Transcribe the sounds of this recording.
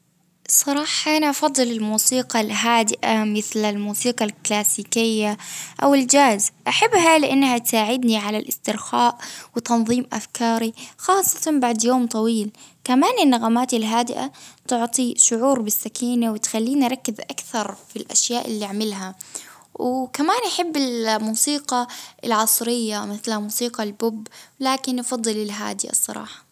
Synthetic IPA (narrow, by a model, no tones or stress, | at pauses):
sˤɑɾˤɑːħɑʔanaʔɑfɑðˤːɨlɪlmuːsiːqɑlɦaːd̪ɪʔamɪθlalmuːsiːqɑlklaːsiːkɪjːaʔawɪld͡ʒaːzʔaħabːhalɪʔanːhat̪saːʕɪd̪niʕalalʔɪst̪ɪɾxaːʔwɪt̪ɑnðˤiːmʔafkʰɑːɾixɑːsˤːɑ̥t̪ɑnbaʕd̪joːmt̪ˤɑwiːlkamaːnɪnːaɣaːmaːt̪ɪlɦaːd̪ɪʔa̰t̪ʊʕt̪ˤiʃʊʕuːɾbɪsːakʰiːnawɪt̪xalːiːnʔɾˤɑkːɪzʔakθɑɾˤfilʔa̰ʃjaːʔɪlːiaʕmɪlɦa | wkamaːnʔaħɪbːɪlmuːsiːqɑʔɪlʕɑsˤɾɪjːamɪθlhamuːsiːqɑlbʊbːlaːkɪnʔɑfɑd̪ˤːɨlɪlɦa̰ːd̪ɪʔa̰sˤːɑ̰ɾˤɑ̰ːħɑ̥